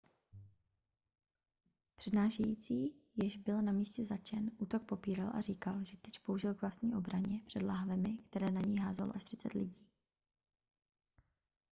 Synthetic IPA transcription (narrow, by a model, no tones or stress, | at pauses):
pr̝̥ɛdnaːʃɛjiːt͡siːjɪʒbɪlnamiːscɛzat͡ʃɛnʔuːt̪o̞k̚po̞piːɾalʔa̰riːkalʒɛt̪ɛt͡ʃpouʒɪlkvlast̪ɲiːʔo̞bɾaɲɛpr̝̥ɛdlaɦavɛmɪkt̪ɛɾɛːnaɲɛjɦaːzaloʔaʃt̪r̥ɪt͡sɛt̪lɪɟiː